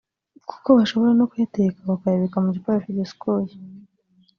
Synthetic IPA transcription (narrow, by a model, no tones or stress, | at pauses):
ku̥ko̞βaʃo̞βo̞ɾeno̞kujetekaβakajeβekamuɟipajafiɟesi̥koji